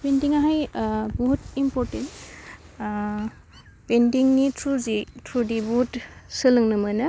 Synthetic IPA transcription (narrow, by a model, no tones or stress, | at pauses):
pendiŋaɦajbohutimpɔɾtent | bendiŋnitʰɾuzitʰɾudibuɦutsɯlɯŋnɯmɯnɐ